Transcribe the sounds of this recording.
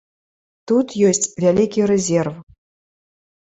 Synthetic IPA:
t̪ut̪jɔsʲt͡sʲvʲalʲikʲiɾɛzʲɛrf

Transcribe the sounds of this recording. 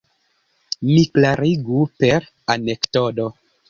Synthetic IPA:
miklaɾiɡupeɾ | anektodo

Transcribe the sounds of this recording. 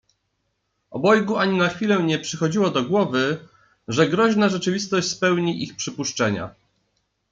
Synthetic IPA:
ɔbɔjɡuaɲinaxfʲilɛɲɛpʂɘxɔd͡ʑiwɔd̪ɔɡwɔvɘ | ʐɛɡɾɔʑnaʐɛt͡ʂɘvʲist̪ɔɕt͡ɕʲspɛwɲiʔixpʂɘpuʂt͡ʂɛɲa̰

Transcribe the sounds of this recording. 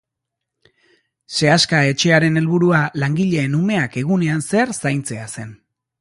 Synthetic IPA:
se̞askae̞t͡ʃe̞aɾe̞ne̞lβuɾualaŋɡiʎe̞ːnume̞ake̞ɣune̞anse̞aɾsajnt͡se̞ase̞n

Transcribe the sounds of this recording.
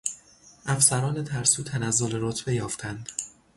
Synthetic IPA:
ʔæfsæɾɒːne̞t̪ʰæɾsuːt̪ʰænæzːo̞leɾot̪ʰb̥ejɒːft̪ʰænd̪̥

